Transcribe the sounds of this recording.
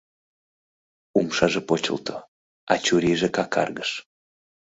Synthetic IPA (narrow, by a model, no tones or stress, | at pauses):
umʃɑʒepot͡ɕə̰lt̪o | ɑt͡ɕuɾiʒekɑkɑ̰rɣəʃ